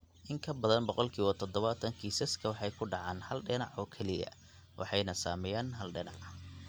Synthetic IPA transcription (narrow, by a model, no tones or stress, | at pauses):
ʔɪŋkʰɐbɐðɐnbɔqɔlkʰiːwɐt̪ʰɔd̪ɔβɐt̪ʰɐŋkʰiːsɐskʰɐwɑħɑjkʰʊɖɑʕɑːnhɐlɖɪnɑʕɔːkʰɛlɪjɐ̰ | wʔɑ̰ħɑjnɐsa̰ːmɛjaːnɦɐlɖɪnɑʕ